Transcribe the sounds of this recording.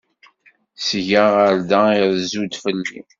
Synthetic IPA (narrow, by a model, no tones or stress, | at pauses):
sʝəʁəɾd̪aiðzud̪fəlːḭ